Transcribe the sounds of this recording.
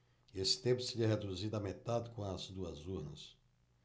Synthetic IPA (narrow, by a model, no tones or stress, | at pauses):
esɪ̥t̪ẽpʊsɪʎɛɦed̪uzid̪ɐmet̪ad̪ɪkõɐzd̪uɐzuɾnɐ̰s